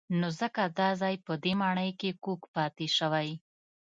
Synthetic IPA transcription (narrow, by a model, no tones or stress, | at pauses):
nozəkad̪ɑzɑjpəd̪emɑɳəjkekokpɑt̪eʃəwaj